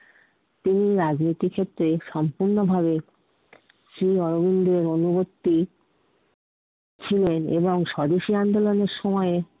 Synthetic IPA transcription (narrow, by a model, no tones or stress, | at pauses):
t̪iniɾad͡ʑnit̪ikʰet̪ːɾeʃɔmpuɾnobʱaβe | sɾiɔɾobind̪eɾonubot̪ːi | t͡ɕʰilenḛboŋʃɔd̪iʃiand̪oloneɾʃɔmɔe